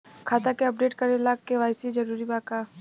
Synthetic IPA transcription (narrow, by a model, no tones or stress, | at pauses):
kʰaːt̪akeɐp̚ɖeːʈkɐɾelaːkːeʋaːɪsid͡ʒɐɾuːɾibaːkaː